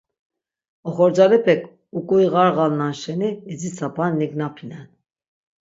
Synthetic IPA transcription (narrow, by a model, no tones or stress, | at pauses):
ɔχɔɾd͡zalɛpʰɛkʰ | ukʼuiʁɑɾʁalnanʃɛniːzit͡sʰapʰanːiɡnapʰinɛn